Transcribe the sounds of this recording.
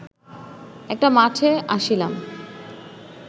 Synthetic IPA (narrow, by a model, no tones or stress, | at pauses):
ɛk̚ʈamaʈʰeaʃilam